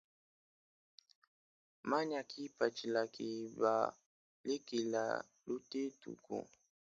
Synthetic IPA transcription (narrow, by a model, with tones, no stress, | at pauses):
ma˦ɲa˨kʰi˦pa˨t͡ʃi˨la˨ki˨ba̰˨ | li˦ki˨la̰˨ | lu˦te˦tṵ˨kṵ˨